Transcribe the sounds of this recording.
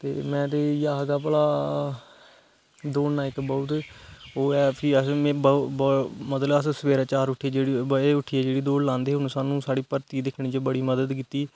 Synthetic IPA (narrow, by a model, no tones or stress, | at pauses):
t̪ḛːmɛ̃ːt̪̬eːjaːɦɡaːpəlaː | d̪oːnnaːɪkbɔʊt̪oːɛːpʰɪəsmɛ̃ːbəbmət̪ləbəssəʋeːɾaːt͡ʃaːɾʊʈʰiːd͡ʒeːɽiːeːʊʈʰːiːɛːd͡ʒeːɽiːd̪oːɽlãːnd̪eːɦʊnũsaːnũːsaːɽiːpəɾt̪iːd̪ɪkʰɽ̃iːd͡ʒeːbəɽiːməd̪əd̪kiːt̪iː